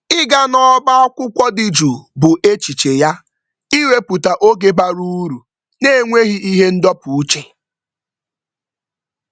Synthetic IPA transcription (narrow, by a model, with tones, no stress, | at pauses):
ɪ˦ɡa˦nɔ˦ba˦a˦kʷʊ˦kʷɔ˦di˨d͡ʒu˨bʊ˨ʔe˦t͡ʃi˨t͡ʃe˨ja˦ | i˦we˦pu˨ta˨ʔo˦ɡe˦ba˦ɾu˦ɾu˨ | ne˦ŋʷe˦ɣi˦i˦ɦe˦n̩˦dɔ˦pu˨u˦t͡ʃe˨